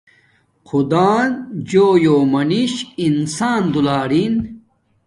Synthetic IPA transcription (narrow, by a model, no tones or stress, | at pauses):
qʰud̪aːnd͡ʑoːjoːmɐniɕinsaːnd̪ulaːɾin